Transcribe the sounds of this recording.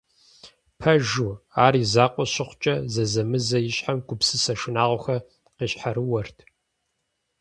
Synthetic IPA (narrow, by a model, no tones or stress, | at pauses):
pʰɐʒuaːriːzaːqʷʼɔɕɪχʷʊt͡ʃʼɐzɐzɐmɨzɐjɪɕħamɡʷʊpsɨsɐʃɪnaːʁʷɔxɐ | qiːɕħaɾɨwɐrtʰ